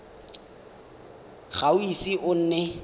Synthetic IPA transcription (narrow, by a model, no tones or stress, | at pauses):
ɣaʊisiʔʊn̩ːnɛ